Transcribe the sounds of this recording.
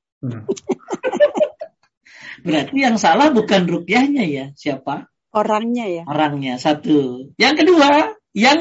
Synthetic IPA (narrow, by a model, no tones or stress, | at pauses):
bəɾart̪ijaŋsalahbukanrukijahɲajasiapa | oɾaŋɲajaoɾaŋɲasat̪ujaŋkədua | jaŋ